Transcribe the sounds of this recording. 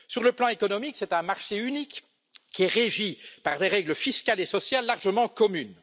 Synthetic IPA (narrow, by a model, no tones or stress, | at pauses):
syʁləplɑ̃ekɔnɔmiksɛt̪ɛ̃maʁʃeynikː | iɛʁeʒipaʁd̪eʁɛɡləfiskʲalesɔsjalːaʁʒəmɑ̃kɔmyn